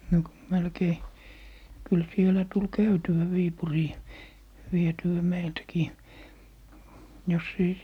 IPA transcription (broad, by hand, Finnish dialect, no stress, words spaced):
no melkei kyl sielæ tul kæytywæ ʋiːpuriː ʋietyæ meiltkiː jos ei